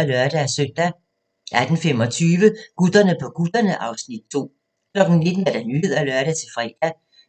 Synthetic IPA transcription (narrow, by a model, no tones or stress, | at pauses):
ælœɐɾ̥ææsøn̰d̥æ | ʔæd̥n̩fem̰ɒ̽t͡sʰyːʋəɡ̥ud̥ɐnəpʰɒ̽ɡ̥ud̥ɐnəʔɑ̈ʊsnid̥̚t͡sʰo̝̰ː | kʰlɒ̽ɡ̥n̩ne̝d̥n̩æɐd̥ænyð̰ˠælœɐɾ̥æt͡sʰe̝fʁɛ̰ːd̥æ